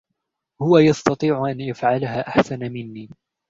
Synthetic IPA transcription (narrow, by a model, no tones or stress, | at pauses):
hʊwajɑst̪ɑt̪ˤiːʕʊʔanʔafʕalaɦaːʔaħsanamɪnːiː